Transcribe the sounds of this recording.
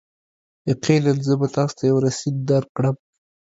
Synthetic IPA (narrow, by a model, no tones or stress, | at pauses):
eqʰelanzəbat̪ɑst̪ʰajawɾasid̪d̪aɾkɽəm